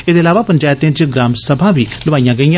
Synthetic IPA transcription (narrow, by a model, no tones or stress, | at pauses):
eːd̪eːlaːʋaːpəɲd͡ʒaːjət̪ẽːd͡ʒɡɾaːmsəbʱãːʋiːləʋaːijãːɡəijãː